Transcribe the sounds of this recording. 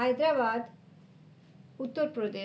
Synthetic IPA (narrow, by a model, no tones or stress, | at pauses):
ajd̪ɾaʋad̪ | ut̪ːəɾpɾɔd̪e